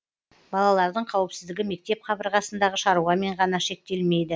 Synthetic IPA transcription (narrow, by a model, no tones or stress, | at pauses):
b̥ɑlˠɑlˠɑɾd̪əɴqʰɑwɪpsɪzd̪ɪɡʲɪme̞k̚t̪e̞p̚qʰɑbəɾʁɑsənd̪ɑʁəʃɑɾuʁɑme̞ɴʁɑnɑʃe̞k̚t̪e̞lme̞jd̪ɪ